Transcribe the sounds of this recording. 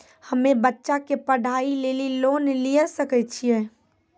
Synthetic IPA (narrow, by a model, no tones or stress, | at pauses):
həmẽbətːʃakepəɽʱaːileːliloːnliəsəkɛt͡ʃʰijeː